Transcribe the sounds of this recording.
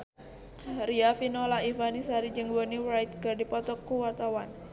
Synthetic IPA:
riafinɔlaifanisaɾid͡ʒɨŋboniwɾajt̪̚kɨrdipɔt̪ɔkːuwart̪awan

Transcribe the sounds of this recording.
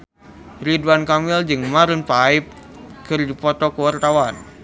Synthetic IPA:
riduankamɪld͡ʒɨŋmaɾənpaɪp̚ | kɨrdipɔt̪ɔkəwart̪awan

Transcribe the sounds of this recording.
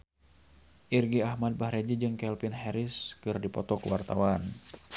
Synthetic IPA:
ʔirɡiahmad̚bahɾɛd͡ʒid͡ʒɨŋkɛlpinɦɛɾiskɨrdipɔ̰t̪ɔkuwart̪awan

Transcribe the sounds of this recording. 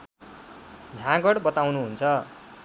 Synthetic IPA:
d͡zʱãɡʌɽbʌt̪awnuɦunt͡sʰʌ

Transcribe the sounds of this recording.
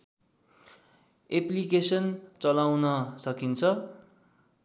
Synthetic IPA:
eplikesʌnt͡sʌlawnʌsʌkint͡sʰʌ

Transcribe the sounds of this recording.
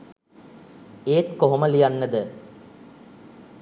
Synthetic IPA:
eːt̪koɦoməlijanːəd̪ə

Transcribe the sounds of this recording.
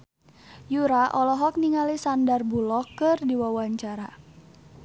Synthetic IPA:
juɾaʔɔlɔɦɔk̚niŋalisandarbulɔkːɨrdiwawaɲt͡ʃaɾa

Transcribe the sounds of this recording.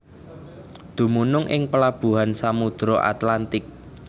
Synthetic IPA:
d̪̥ṳmunʊŋʔɪŋpəlab̥ṳɦansamud̪̥ɾɔʔa̰t̪lant̪ɪk̚

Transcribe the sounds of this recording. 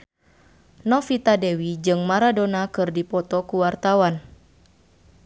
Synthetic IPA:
nɔfit̪adɛwid͡ʒɨŋmaɾadonakɨrdipɔt̪ɔkuwart̪awan

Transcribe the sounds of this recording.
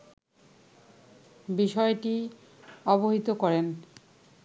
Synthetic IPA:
biʃɔeʈi | ɔboɦit̪okɔɾen

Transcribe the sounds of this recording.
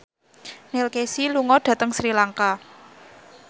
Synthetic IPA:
nelkesiluŋɔɖ̥ä̤t̪əŋsɾilaŋka

